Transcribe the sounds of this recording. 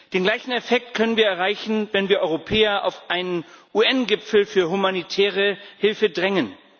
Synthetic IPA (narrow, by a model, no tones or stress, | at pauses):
d̥eːnɡlaɪçn̩ɛfɛk̚tkʰœnənviːɐɛɐʁaɪçn̩vɛnviːɐʔɔʏʁopʰɛːɐʔa̰ʊfʔaɪnənʔuːʔɛnɡɪfl̩fyːɐɦumanitʰɛːʁəhɪlfədʁɛŋən